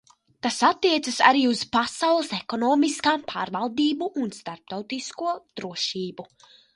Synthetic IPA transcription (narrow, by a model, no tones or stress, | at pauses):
t̪asat̪ːiɛt̪sasa̰ɾiːuz̥pasawlˠɐsekɔnɔːmiskaːmpʰa̰ːɾvalˠd̪iːbuʔːnst̪aɾp̚t̪awt̪iskuɔd̪̥ɾuɔʃiːbu